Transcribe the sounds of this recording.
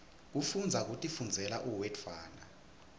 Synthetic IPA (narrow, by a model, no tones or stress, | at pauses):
k̬ufund͡zʱak̬utʼifund͡zʱɛlaʔuwɛtʰwaːna